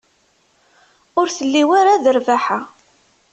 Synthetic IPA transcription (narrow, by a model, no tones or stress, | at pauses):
ʊɾθəlːiwaɾaðəɾvaħa